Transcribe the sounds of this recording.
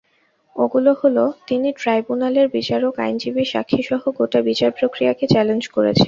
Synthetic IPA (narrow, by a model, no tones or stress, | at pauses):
oɡuloholot̪iniʈɾajbunaleɾbit͡ɕaɾoka̰jnd͡ʑibiʃa̰kʰːiʃɔɦoɡoʈabit͡ɕaɾpɾokɾijaket͡ɕɛlend͡ʑkoɾḛt͡ɕʰen